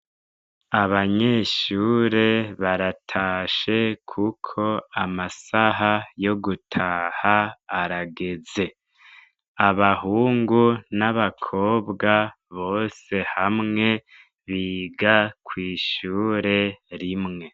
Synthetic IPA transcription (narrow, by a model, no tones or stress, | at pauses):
aβaɲe̞ʃuːɾe̞βaɾatʰaːʃe̞kʰukʰo̞amasaɦajo̞ɡutʰaːhaːɾaɡe̞ze̞ | aβaɦuːŋɡunaβakʰo̞ːbɡa | βo̞ːse̞hamŋe̞ | βiːɡakwiːʃuːɾe̞ɾimŋe̞